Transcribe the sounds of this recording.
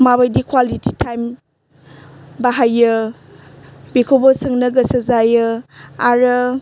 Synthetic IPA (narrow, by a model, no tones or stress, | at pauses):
maβajdikʰwalititʰajm | baɦajːɯ | bikʰobɔsɯŋnɐɡɐsɐzajɯaɾɐ